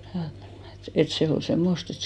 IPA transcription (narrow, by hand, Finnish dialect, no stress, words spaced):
jɑ et se ol semːost et